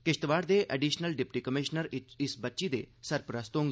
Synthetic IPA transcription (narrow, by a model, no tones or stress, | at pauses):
kɪʃt̪ʋaːɾd̪eːʔɛɖiːʃnəlɖɪpʈiːkəmɪʃnəɾɪsbətːʃiːd̪ḛːsəɾpɾəst̪õːŋ